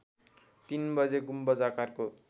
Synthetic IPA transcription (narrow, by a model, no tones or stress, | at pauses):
t̪inbʌd͡zeɡumbʌd͡zakarko